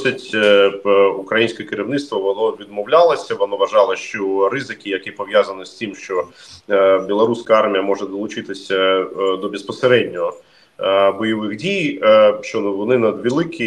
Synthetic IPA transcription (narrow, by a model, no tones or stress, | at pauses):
sʲɐtʲ | ukɾɐjinʲsʲkʲɛkɪɾʲiwnɪt̪st̪ʋɐʋɔnɔʋʲid̪mɔwlʲalˠɐsʲɐʋɔnɔʋɐʒɑlˠɐʃt͡ʃɔɾɪzɪkʲijɐkipɔʋʲjazɐnɪsʲt̪ɪmʃt͡ʃɔ | bʲilˠɐɾusʲkɐɑrmʲijɐmɔʒɛd̪ɔlˠʊt͡ʃɪt̪ɪsʲɐd̪ɔbʲespɔseɾɛdʲnʲɔɦɔ | bɔjɛʋɪxdʲijʃt͡ʃɔnʋɔnɪnɐd̪ʋʲilˠɪkʰʲi